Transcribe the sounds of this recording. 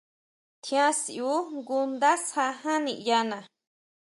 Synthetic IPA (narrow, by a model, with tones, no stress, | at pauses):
t̪ʰj̃ã˦siu˦ŋɡu˧nd̪a˦sha˧hã˦nĩ˧ʔja˧nã˨